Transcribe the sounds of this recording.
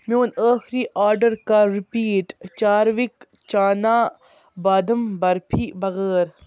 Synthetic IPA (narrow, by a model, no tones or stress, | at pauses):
moːnaːxɾiʔaːɾɖəɾkaɾipiːʈt͡ʃaːɾʋik | t͡ʃaːnaː | baːd̪əmbɐɾpʰibɐɣeːɾ